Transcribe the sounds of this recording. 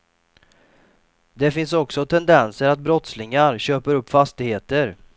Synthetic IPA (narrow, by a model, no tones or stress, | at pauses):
d̪ɛfɪnsɔksɔt̪ʰɛnd̪ɛnsəɾat̪̚bɾɔt̪slɪŋaɾɕøːpəɾɵpːfast̪ɪɡheːt̪əɾ